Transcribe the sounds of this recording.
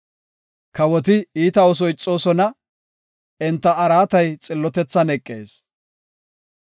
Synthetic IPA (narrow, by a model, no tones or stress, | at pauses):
kɐwɔt̪ɪiːt̪ɐɔs̬ɔjt͡sʼːo̞ːsɔnɐ | ɛnt̪ːɐːɾaːt̪ɐjt͡sʼɪlːɔt̪ɛt͡sːɐnɛkʼːe̞̰ːs